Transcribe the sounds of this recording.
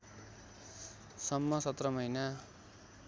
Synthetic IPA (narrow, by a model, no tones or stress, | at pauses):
sʌmːʌsʌt̪rʌmʌjna